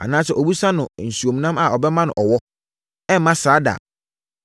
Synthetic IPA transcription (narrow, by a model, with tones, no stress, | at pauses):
a̰˨nã˦sɛ˨ʔɔ˨bu˦sã˦nʊ̃˨n̩˨su˨o˨mĩ˨nã˦ma˨ɔ˨bɛ˦mã˦nʊ̰̃˨ʔɔ˨wɔ˦ | ɛ̃˦m̩˦mã˦saː˨˦da̰˨